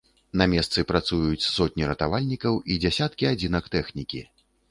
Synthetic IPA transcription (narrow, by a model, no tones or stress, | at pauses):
namʲɛst̪sɨpɾat̪sujut͡sʲsɔt̪̚ʲnʲiɾɐt̪avalʲnʲikɐwʔid͡zʲasʲat̪kʲiad͡zʲinɐkt̪ɛxnʲikʲi